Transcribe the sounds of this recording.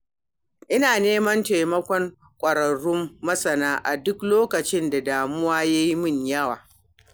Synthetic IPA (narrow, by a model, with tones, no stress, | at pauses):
ʔɪ˦naː˨neː˦mɐ˦nte˨jmɐ˦kʷɔ˦ŋ | kʷʼɐ˨ɾɐ˨ɽʊ˦mːɐ˦sɐ˨naː˦ʔa˨dʊ˦kloː˦kɐ˨t͡ʃɪ˦nda˨daː˨mʊ˦waː˦ja˦ji˦mʊ˦˨ɲjɐ˦wa̰ː˨